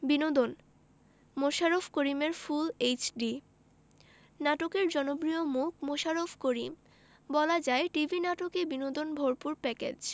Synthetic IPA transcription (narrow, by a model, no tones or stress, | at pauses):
binod̪on | moʃaɾofkoɾimeɾfulejt͡ɕɖi | naʈokeɾd͡ʑɔnobɾiomuk̚ʰmoʃaɾofʰkoɾim | bɔlad͡ʑaeʈibʱinaʈokebinod̪onbʱoɾpuɾpɛkḛd͡ʑ